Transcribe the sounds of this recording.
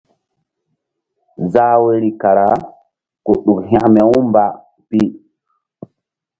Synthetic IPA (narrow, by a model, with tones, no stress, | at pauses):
zaː˦we˦ɾi˨ka˨ɾa˨˦ | ko˨ɗu˨kɦã˦me˨wũ˦mba˨ | pi˦